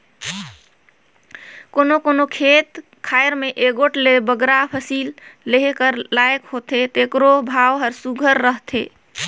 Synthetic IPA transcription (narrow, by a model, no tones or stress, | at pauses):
konokonokʰet̪ | kʰaeɾmeʔeɡoʈlebəɡɾapʰəsilːeɦekəɾlajkɦot̪ʰet̪ekɾobʱaʋɦəɾsuɡʱəɾːəɦt̪ʰḛ